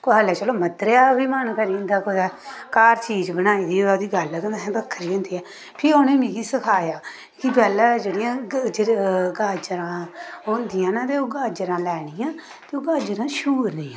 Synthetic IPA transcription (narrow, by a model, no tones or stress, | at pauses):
koɦəːlɛːt͡ʃəloːmət̪ɾeaːbiːmənkəɾiːnd̪aːkod̪ɛːkaːɾt͡ʃiːd͡ʒbənaːiːd̪iːod̪iːɡəlkə̃nd̪asɛ̃ːd̪əkʰːəɾiːõːnd̪iːɛː | pʰɪɾoːnẽːmĩːkiːsəkʰaːjaː | kɪpɛːlaːd͡ʒeːɽɪjãːd͡ʒeɡaːd͡ʒɾãːond̪ɪːãːnãːt̪eːoːɡaːd͡ʒɾãːlɛːɽ̃iːãː | t̪eːoːɡaːd͡ʒəɾãːʃuːɾniːãː